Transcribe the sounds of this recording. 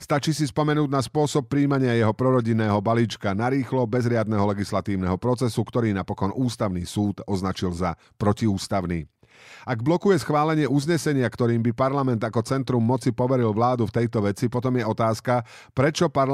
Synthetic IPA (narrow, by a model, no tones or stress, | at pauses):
st̪at͡ʃiːsispɔmɛnuːdnaspʊɔsɔp̚ːɾiːmaɲɪajɛɦɔpɾɔɾɔɟinɛːɦɔbaliːt͡ʃkanaɾiːxlɔbɛzɾɪad̪̚nɛɦɔlɛɡislat̪iːʊnɛɦɔpɾɔt͡sɛsukt̪ɔɾiːnapɔkɔnuːst̪aʊnḭːsuːt̪ɔznat͡ʃilza | pɾɔciuːst̪aʊniː | aɡblɔkujɛsxʋaːlɛɲɪɛuzɲɛsɛɲɪakt̪ɔɾiːmbipaɾlamɛnd̪akɔt͡sɛnt̪ɾumːɔt͡sipɔʋɛɾilʋlaːd̪uft̪ɛjt̪ɔʋɛt͡sipɔt̪ɔmjɛɔt̪aːska | pɾɛt͡ʃɔpaɾ